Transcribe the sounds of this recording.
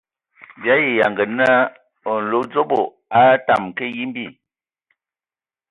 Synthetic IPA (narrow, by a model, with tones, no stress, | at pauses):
bja˨˦ji˨ja˨ŋɡə˨na˦ | ɔ˨n̩˨lo˨˦d͡zo˦bo˨ | a˦ta˨m˨ke˦ji˦m˦bi˦˨